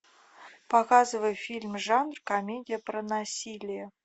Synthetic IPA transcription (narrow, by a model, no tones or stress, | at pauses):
pɐkɑzɨvəjfʲilʲmʐɑnrkomʲedʲɪjəprənasʲilʲɪjə